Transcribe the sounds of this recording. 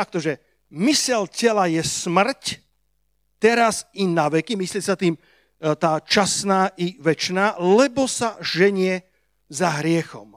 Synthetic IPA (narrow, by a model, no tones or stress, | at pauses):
t̪ak̚t̪ɔʒɛ | misɛlcɛlajɛsmr̩c | t̪ɛɾazinaʋɛkimislɪɛsat̪iːm | t̪aːt͡ʃasnaːʔiʋɛt͡ʃnaːlɛbɔsaʒɛɲɪɛ | zaɦɾɪɛxɔ̰m